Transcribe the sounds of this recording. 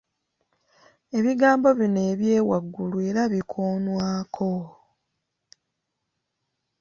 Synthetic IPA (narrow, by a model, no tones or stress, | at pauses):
e̞βiɡaːmbo̞βine̞ːβje̞ːwaɡːulue̞ɾaβikʰoːnwaːkʰo̞